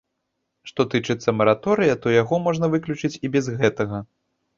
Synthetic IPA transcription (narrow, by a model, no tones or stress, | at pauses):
ʂt̪ɔt̪ɨt͡ʂɨt̪sːɐmɐɾat̪ɔɾɨjɐt̪ɔjaɣɔmɔʐnɐvɨklʲut͡ʂɨt͡sʲibʲɛzɣɛt̪ɐɣɐ